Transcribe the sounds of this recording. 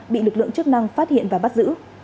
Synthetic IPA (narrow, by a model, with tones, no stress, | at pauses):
ɓḭ˧˨lɨ˨˩k̚lɨ̰˧˨əŋt͡ɕɨ˦˥k̚na˧ŋfaː˦˥t̚hḭ˧˨ənvaː˨˩ɓa˦˥t̚zɨ̰˧˥